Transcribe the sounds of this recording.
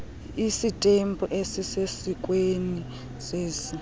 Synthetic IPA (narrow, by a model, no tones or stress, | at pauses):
isitʼempʰʼɔʔesisesik̬ʼweni | seːsi